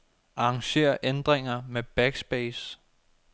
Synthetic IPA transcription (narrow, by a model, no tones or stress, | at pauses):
ʔɑ̈ɑŋɕe̝̰ːɐʔend̥ʁeŋɐmeb̥æɡ̥sb̥es